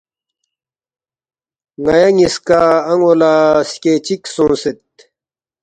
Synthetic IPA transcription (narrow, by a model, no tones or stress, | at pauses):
ŋɐjɐŋiskaːɐŋolasket͡ɕiksũːset̪̚